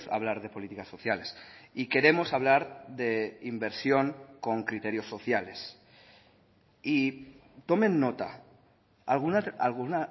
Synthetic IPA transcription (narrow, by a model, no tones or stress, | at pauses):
sa̰βlaɾðe̞po̞lit̪ikaso̞θjalesike̞ɾe̞mo̞saβlaɾðe̞imbe̞ɾsjo̞ŋko̞ŋkɾit̪e̞ɾjoso̞θjale̞s | i | t̪o̞mẽ̞nːo̞t̪a̰ | alɣunaalɣuna